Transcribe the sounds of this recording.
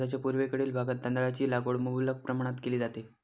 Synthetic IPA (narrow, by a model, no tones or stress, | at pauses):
at͡ɕjapuɾʋekəɽiːlbʱaɡət̪̚d̪ənd̪ɾat͡ɕiːlaɡoɽmuulək̚pɾəmaɽ̃at̪keliːd͡zat̪e